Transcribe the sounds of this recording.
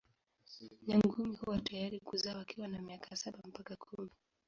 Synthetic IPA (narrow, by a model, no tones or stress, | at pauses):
ɲaŋɡumihuwatajaɾikuzaːwakiwanamiakʰasaɓam̩pakakʰumi